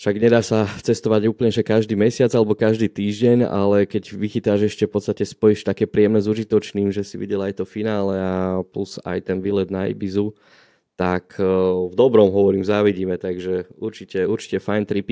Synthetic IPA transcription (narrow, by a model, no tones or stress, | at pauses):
fʃaɡɲɛd̪aːsat͡sɛst̪ɔʋaɟuːplɲɛʒɛkaʒd̪iːmɛsɪad͡zalɛbɔkaʒd̪iːt̪iːʒɟɛɲa̰lɛkɛɟʋixit̪aʒɛʃcɛfpɔt̪st̪acɛspɔjiʃt̪akɛːpɾiɛmnɛzuʒit̪ɔt͡ʃniːmʒɛsiʋḭɟɛlajt̪ɔfinaːlɛapluza̰jt̪ɛnʋilɛd̪naḭbizu | t̪akʰvd̪ɔbɾɔmɦɔʋɔɾiːmzaːʋiɟiːmɛt̪aɡʒɛuɾt͡ʃicɛuɾt͡ʃi̥cɛfajnt̪ɾipi